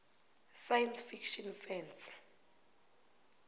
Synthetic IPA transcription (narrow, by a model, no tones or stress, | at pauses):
sajɛnsfikʰʃɔnfɛns